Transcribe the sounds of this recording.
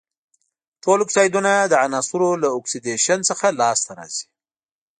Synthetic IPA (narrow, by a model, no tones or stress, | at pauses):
ʈoloksɑjd̪unad̪əanɑsuɾolaʊksid̪eʃansəxalɑst̪aɾɑ̰z̥i̥